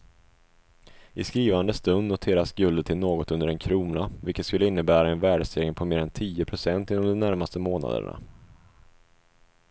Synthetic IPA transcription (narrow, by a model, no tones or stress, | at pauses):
ʔɪskɾiːvand̪əst̪ɵnd̪nʊt̪ʰeːɾasɡɵld̪ʈ̪ʰɪlnoːɡɔt̪ɵnd̪əɖɛnkʰɾuːnavɪlkːət̪skɵlːəɪnːəbæːɾaɛnvæːɖseːɾɪəŋpʰɔmeːɾɛnt̪ʰiːəpʰɾʊsɛnt̪ɪnːɔmd̪ɔmnæɾmast̪əmoːna̰d̪ə̰ɳa̰